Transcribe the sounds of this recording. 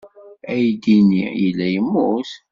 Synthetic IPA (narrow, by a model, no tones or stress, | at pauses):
æjd̪inijəlːæjəmːuθ